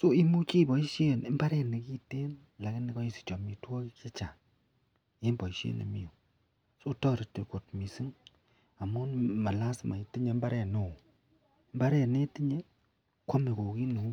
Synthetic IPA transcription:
so˦i˦mu˦t͡ʃi˦bɔ˨i˦ʃje˦˨ne˨mba˦ɾɛ˦ne˨ki˦te˦n | la˨kɪ˦ni˦kɔ˦i˦˨si̥˨t͡ʃɔ˨mi˨twɔ˦kke˦t͡ʃa˨ | e˦mbɔ˨i˨ʃḛ˦nḛ˨mi˨o˨ | so˦tɔ˦ɾi˨te˨ko˨t̚mi˨si˦ŋ | a˨mo˦nma˨la˦sma˨i˦ti˦ɲe˨˦mba˦ɾɛ˦˨no˨ | e˨˦mba˦ɾɛ˨ne˦ti˦ɲe˦ | kʷɔ˦me˨ko˨ki˦no˨˦

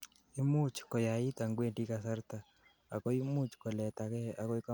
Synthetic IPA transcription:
i˦mu˦t͡ʃkɔ˨ja˨ɪ˦t̪a˨ŋɡwe˦˨ndi˦kasa˦rt̪a˨ | a˨kɔ˦i˦mu˦t͡ʃkɔ˨lɛ˨t̪a˨a˨kɔ˦i˦ka˦

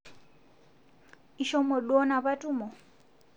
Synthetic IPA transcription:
iʃɔ˦mɔ˨lwɔ˦na˨ba˦tʼu˦mɔ˨

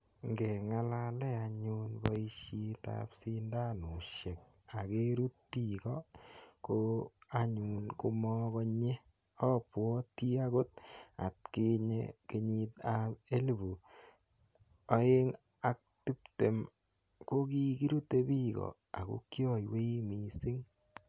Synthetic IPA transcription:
ŋɡɛ˨ŋa˦la˦lɛ˦a˧ɲunbɔ˦i˦ʃi˦ta̰psi˦nda˦nʊ˨ʃe˨k̚ | a˨ke˦ɾu˦t̚pi˦˨ɡɔ˦ko˦a˦ɲu˨nko˦mɔ˦kɔ˧ɲe˦ | ɔ˦pwɔ˦ti˦a˦ɡo˦t̚a̰˨t̚kɪ˦ɲḛke˧ɲɪ˦tae˦li˨bu˨ | ɔ˦e˦ŋ | a˨k̚ti˦pte˨m | ko˦ki˦ki˦ɾu˦te˦bi˦ɡɔ̰˨ | a̰˨ko̰˦kjɔ˦˨jwe˦i˦mi˨sɪ˦ŋ

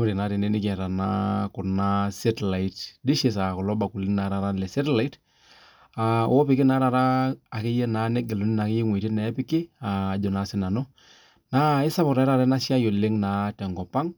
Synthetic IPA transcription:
ʊ˦ɾɪ˨na˨˦ɾɪ˨ne˦nɪ˦kɛ˨ɾa˨na˦kʊ˨na˦sɛ˦tla˨i˦tdɪ˦ʃe˨s̬a˨kɔ˨lɔ˦ba˨ku˨lɪ˦ŋna˨˦ɾa˨ɾa˦lɛ˨sɛ˦tla˨i˦t | a˨wɔ˦pɪ˨˦kɪ˦na˨˦ɾa˨ɾaː˦˨kɪ˦jɛ˦naː˨˦nɛ˦ɡɛ˨lo˨˦nɪ˦na˨kɪ˦jɛ˦ŋwe˨tɪ˦nɛ˨˦pɪ˦kɪ˦a˨d͡ʒɔ˨na˨˦sɪ˦na˨nɔ˦ | na˨˦ɪ˦sa˦pɔ˨ɾa˨˦ɾa˦˨ɾɛ˦na˦ʃɪ˦a˦jo˨lɪ˦ŋna˨˦tɛ˨ŋɡɔ˨pa˦ŋ

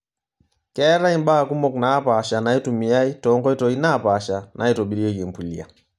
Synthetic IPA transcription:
kɛ˦ɾa˦i˦mɓa˦˨ku˦mɔ˦knaː˦pa˨ʃa˨na˨˦i˦tu˨mi˨a˦i˦tɔ˨ŋɡɔ˦i˦tɔ˨i˦na˦˨pa˨ʃa˨nʔa˨i˦tɔ˨ɓi˨ɾi˦ɔ˦ki˨mpu˨lḭ˨a̰˨

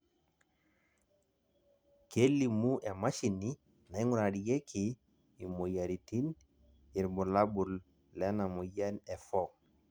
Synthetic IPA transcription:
ke˦lːi˨mu˦ʔe˨ma˦ʃi˨ni˦ | na˨i˦ŋu˦ɾa˨di˨ɡe˦kʰi | i˨mo˨ja˨ɾi˨ti˦n | i˨ɾbu˨la˦bu˨l | lɛ˦na˨mo˨ja˦nɛ˨fɔ˦

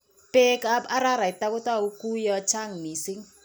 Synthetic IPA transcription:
pʼɛ˦kaa˦ɾa˦ɾa˨i˨t̪ʼa˦kɔ˦tʼa˦u˦kʼu˦jɔ˦t͡ʃʰa˦ŋmi˨si˦ŋ

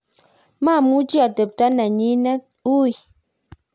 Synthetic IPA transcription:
maː˦˨mu˦d͡ʒi˦a˨tə˨p̚ta˦nɛ˨ɲi˦nɛ˦ | u˦i˨

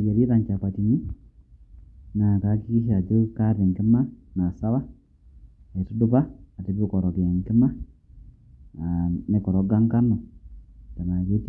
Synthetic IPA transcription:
ɡe˨ɾi˦ɾa˨ɲca˨katiɲi˦ | na˨ka˦ki˦ki˦ʃia˨d͡ʒo˦ka˦ɾi˨ŋki˦ma˦na˨sa˦βa˦ | e˨tuduβaː˦˨ti˦βi˦ko˨ɾo˨kja˨ŋki˦ma˦ | ne˨ku˨ɾoɡa˦ŋka˦no˨ | ta˨na˨ɡe˦t

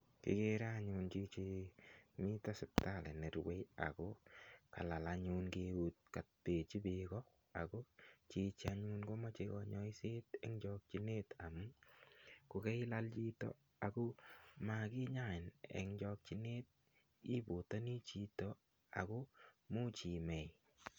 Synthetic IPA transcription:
kɪ̰˨ɡe˦ɾa˦ɲʊ˧nt͡ʃi˦t͡ʃe˦mi˦ta˦sɛ˨p̚ta˦˨lɛ˨ne˨ɾwe˦ja̰˨ko˦ka̰˨la˨la˧ɲu˧nkeu˦t̚ka˨t̚pe˨t͡ʃi˦bekɔ˦ | a̰˨ko˦t͡ʃi˧t͡ʃa˧ɲu˦nɡo˦ma˦t͡ʃe˧kɔ˨ɲɔ˦i˦se˦tɛ̰˦ŋd͡ʒɔ˧k̚t͡ʃi˦ne˦ta˨mu˦ | kʊ˨kɛ˦ɪ˦la˦lt͡ʃi˦to̰˨ | a˨ko˦ma˨kɪ˦ɲa˦ɪ˨nɛ̰˨ŋd͡ʒɔ˧k̚t͡ʃi˨ne˦t̚ | i˦bo˨ta˦ni˦t͡ʃi˧to˨ | a̰˨ko˦mo˦t͡ʃi˨mɛ˨j

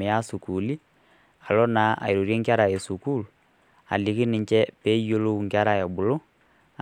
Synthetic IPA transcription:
ɛ˨ja˦su˨ku˨li˦ | a˨lɔ˦na˨a̰˨i˨ɾo˨ɾje˦ŋɡa˦ɾa˨je˨su˨ku˦˨lu˨ | a̰˨li˨ki˦ni˨ɲt͡ʃɛ˦pɛ˦i˦jo˦lo˦u˨ŋɡa˦ɾa˨jɛ˨bu˨lo˦

